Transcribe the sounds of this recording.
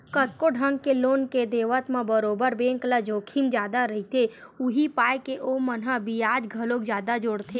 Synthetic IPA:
kət̪̚koɖʱə̃ŋɡkeloːnked̪eːʋət̪mãbəɾoːbəɾbẽːŋklad͡ʒoːkʰimd͡ʒjaːd̪aɾɐɦit̪ʰeʊɦipaːjkeʔomənɦabʱiaːd͡ʒɡʱəlokzjaːd̪ad͡ʒoɽt̪ʰeː

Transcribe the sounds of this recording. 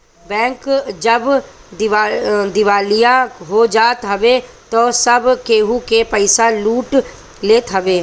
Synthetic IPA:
bɛ̃ːŋkd͡ʒəb | d̪ɪd̪ɪʋaːlijaɦod͡ʒaːt̪ɦɐʋe | t̪oːsɐbkeːɦukepəɪsaluːʈ | leːt̪ɦɐʋeː

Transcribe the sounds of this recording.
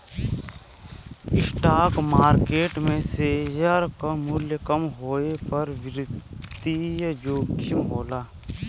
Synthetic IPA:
ɪsʈaːkmaːɾkeːʈmẽsejaɾkamʊljəkəmɦoːepəɾʋɪɾɪd̪ijd͡ʒoːɡimɦoːlaː

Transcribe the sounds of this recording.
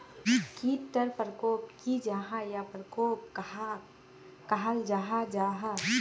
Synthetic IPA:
kit̪ːəɾpɾəkoːp̚kid͡ʒaɦajapɾəkoːp̚ka | kaɦald͡ʒaːɦad͡ʒaːɦa

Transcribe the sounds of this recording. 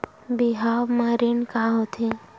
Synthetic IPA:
biɦaːwmaɾinkaɦot̪ʰe

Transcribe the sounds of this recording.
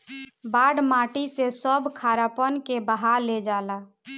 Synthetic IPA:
baɖmaʈisesəbʱkʰaɾapənkebaɦaɾled͡ʒala

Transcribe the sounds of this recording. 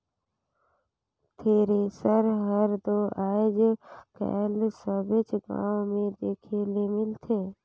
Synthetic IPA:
t̪ʰeːɾesəɾɦəɾd̪oaːed͡ʒkɛ̰ːlsəbɪt͡ʃɡã̰ːõmẽd̪eːkʰeːlemɪlt̪ʰeː

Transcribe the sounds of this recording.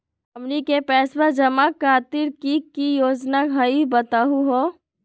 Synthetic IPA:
əmnikepɛːsbəd͡ʒəmakʰaːt̪iɾkikijoːd͡ʒnaɡɦəibət̪aɦuɦo

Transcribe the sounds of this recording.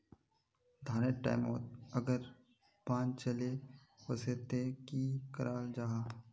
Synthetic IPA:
d̪ʱaːɾeʈa̰ːɪmoːt̪̚əɡəɾ | pãːnt͡ʃəleposet̪ekikəɾʔaːld͡ʒaːɦaː

